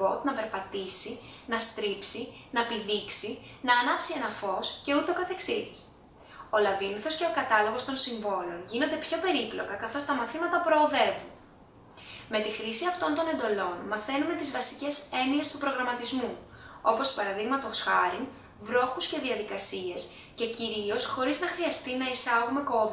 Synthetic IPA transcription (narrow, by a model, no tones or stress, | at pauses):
o̞t̪nɐpe̞ɾpɐt̪isi | nɐst̪ɾipsinɐepiðiksinɐːnɐpsie̞nɐfo̞sce̞ut̪e̞okɐθe̞ksis | o̞lɐviniθo̞sce̞o̞kɐt̪ɐlo̞ɣo̞st̪o̞nsiɱvo̞lo̞nʝino̞nd̪e̞pço̞pe̞ɾiplo̞̰kɐkɐθo̞st̪ɐmɐθimɐt̪ɐpɾo̞ːðe̞vun | me̞t̪ixɾisiɐft̪o̞nt̪o̞ne̞nd̪o̞lo̞nmɐθe̞nume̞t̪izvɐsi̥ce̞se̞nie̞st̪upɾo̞ɣɾɐmɐt̪izmuo̞po̞spɐɾɐðiɣmɐt̪o̞sxɐɾiŋ | vɾo̞xusce̞ðiɐðikɐsie̞s | ce̞ciɾio̞sxo̞ɾiznɐxɾiɐst̪inɐisɐɣume̞ko̞ðu